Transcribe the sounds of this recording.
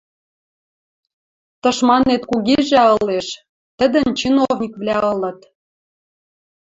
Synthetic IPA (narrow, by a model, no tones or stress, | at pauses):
t̪ɤ̆ʃmɑnet̪kuɣeʒæɤ̆leʃ | t̪ə̆d̪ə̆nt͡ɕinovnʲikβlʲæɤ̆lɤ̆t̪